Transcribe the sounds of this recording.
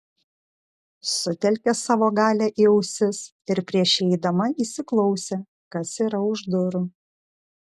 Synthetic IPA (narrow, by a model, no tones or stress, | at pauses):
sʊt̪ʲɛlʲkʲɛsɑːʋoːɡɑːlʲæːʔiːɛʊsʲɪs | ɪɾpʲɾʲiɛʃʲɛɪd̪ɐmɐiːsʲɪklˠɔʊsʲeː | kɐsiːɾɐʊʒd̪ʊɾʊ